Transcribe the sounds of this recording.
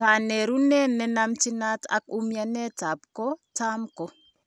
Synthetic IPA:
a˨ne˨ɾu˦nɛ˦nɛ˦na˦mt͡ʃi˦na˦ta̰˨k̚u˦mja˦nɛ˦ta˨p̚kɔ˦ta˦mko˦

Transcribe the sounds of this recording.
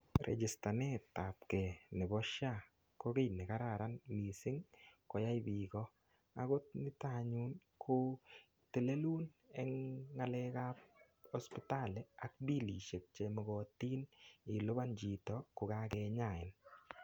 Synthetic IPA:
ɾʔɛ̰˨d͡ʒɪ˨sta˨nɛ˦ta˨p̚kɛ˨nɪ˨bɔ˦ʃa˦ | ko˦ke˦jnɪ˨ka˦ɾa˨ɾa˦nli˨sɪ˦ŋkɔ˨ja˦ɪ˦bi˨kɔ˦ | a˦ɡo˦t̚nɪ˦ta˦ɲu˦nkʰo˦ | te˨le˦lu˦n | ɛŋːa˨lɛ˦ka˦p | ɔ˦spɪ˦ta˦˨lɛ˨a˨k̚bi˦li˨ʃe˨k̚t͡ʃe˨mɔ˨ɡɔ˨ti˦nɪ˨lʊ˦ba˦nd͡ʒi˨tɔ˨kʊ˨ka˦kɛ˧ɲa˨ɪ˨n

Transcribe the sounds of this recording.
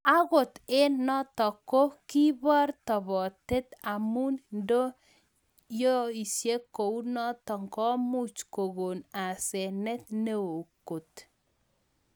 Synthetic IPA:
a˦ɣo˨t̪e˦nɔ˦tɔ˨ko˦ki˦bɔ˦rt̪ɔ˨βɔ˨te˦t̪a˨mu˦nndo˦ | jo˦i˨sje˦ko˨u˦nɔ˦tɔ˨ŋɡɔ˦mu˦t͡ʃko˨ɣo˨na˨sɛ˨nɛ˦t̪ne˦o˨ko˨t

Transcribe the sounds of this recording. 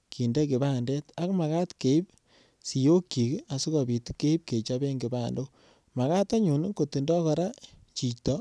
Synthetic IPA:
ki˨nde˦k̬i˨ba˦ndɛ˦ta˦kma˨ka˦tke˨i˦p̚ | si˨jo˦kːi˨ki˦a˨su˦ka˨bi˨tkːe˦i˦p̚ke˨t͡ʃa˦be˦ŋɡi˨ba˦ndo˦ | ma˨ka˦ta˦ɲu˨n˦ko˨ti˨ndɔ˦kɔ˨ɾa˦t͡ʃi˨t͡ʃtɔ˦

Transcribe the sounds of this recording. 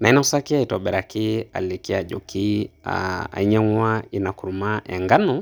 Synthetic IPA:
na˨i˦na˦sa˦ki˦aitɔ˨ɓɛ˨ɾa˨ki˦a̰˨li˨ki˦a˨ʄɔ˨kia̰a̰˨i˦ɲɛ˦ŋwa˦i˨na˨ku˨ɾu˨ma˦ʔɛ̰˨ŋɡa˦nu˦

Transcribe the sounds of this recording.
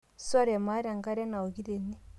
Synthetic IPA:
sa˦ɾa˨ma˦ɾa˨ŋka˦ɾɛ˦na˨o˨ɡi˦ɾe˨ni˦

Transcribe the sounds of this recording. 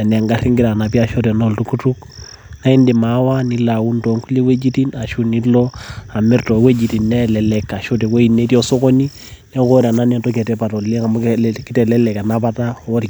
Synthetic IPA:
a˨ni˨a˨ŋɡa˦ri˦ŋɡɪ˦ɾa˨na˨pi˦a˨ʃo˦tɛ˨no˦˨ltu˨ku˦tu˦k | na˦i˦ndi˨ma˨˦wa˦ni˦la˨wu˦nto˨˦ŋku˦li˦we˦d͡ʒi˦ti˦na˨ʃu˦ni˦tlɔ˦a˨mɛ˦ɾtɔ˨˦we˦d͡ʒi˨ti˨nːɛ˦lɛ˨lɛ˨kːa˨ʃo˦tɛ˨ko˦i˨ne˦ti˦ɔ˦so˦kɔ˦ni˦ | nɛ˦ko˦ɾa˨na˦nɛ˨nto˦kɛ˨tɛ˦pa˨tɔ˨lɛ˦ŋa˨m˦kɪ˦tɛ˨lɛ˦lɛ˨ka˨na˦pa˦ta˦ɔ˦ɾi˨

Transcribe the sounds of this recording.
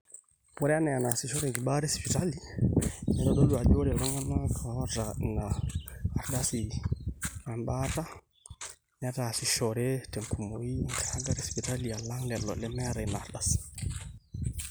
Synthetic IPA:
wɔ˦ɾɛ˦a˦nɛ˨a˨na˨si˨ʃɔ˦ɾɛ˨ŋɡi˨ɓa˦ɾɛ˦spi˨ta˦li˦ɲɛ˨ɾɔ˨ɗɔ˦lu˨a˨d͡ʒo˦ɾɛ˨lɔ˦ŋa˦na˦kʰa˨ɔ˦ɾa˨naː˨ | ɾɗa˦si˨ | a˨mɓata˦ | na˦ta˨si˨ʃɔɾɛ˦tɛ˨ŋkʰu˨moi˦˨ŋkʰa˨a˦ɡa˦ɾɛ˦spi˨ta˦li˨a˨la˦ŋlɛ˨lɔ̰˨lɛ˦mɛ˦aɾɛ˨naː˨ɾdas

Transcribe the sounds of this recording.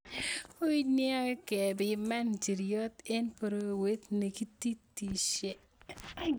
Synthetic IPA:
o˦i˦nja˦kɛ˨bɪ˨ma˦nd͡ʒi˨ɾjɔ˦t̪ɛ˦npo˨ɾo˦˨we˦t̪ne˨ki˦t̪i˦ti˨ʃe˦

